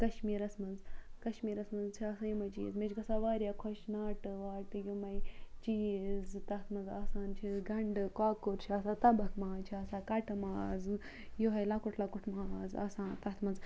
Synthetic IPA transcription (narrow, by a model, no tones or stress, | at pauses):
kɐʃmiːɾɐsmɐnzkɐʃmiːɾɐsmɐnd͡zt͡ʃʰiasajimɐt͡ʃiːzmed͡ʒkɐsaʋaːɾʲjakʰoʃnaːʈɨʋaːɾt̪ɨjumɐjt͡ʃiːzt̪ɐt̪ʰmɐnzaːsaːnt͡ʃʰiɡɐɳɖɨkaːkuɾt͡ʃʰiaːsat̪ɐbɐkmaːnt͡ʃʰiɐːsaːkɐʈɨmaːz | joɦɐjlakuʈʰlakuʈʰmaːza̰ːsaːnt̪ɐt̪ʰmɐnz